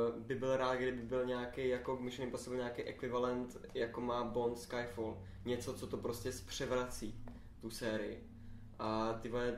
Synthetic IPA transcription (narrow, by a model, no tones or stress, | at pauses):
bɪbɪlɾaːt̪ɡdɪbɪbɪlɲaːkejjako̞ɡmɪʃnɪmpɾost̪ʲɛbɪlɲakejʔɛkvɪvalɛnt̪jakomaːbo̞nt̪skajfol | ɲɛt͡so̞t͡so̞t̪opɾoscɛspr̝̥ɛvɾat͡siː | t̪usɛːɾɪjɪ̰ | ʔat̪ɪvojɛ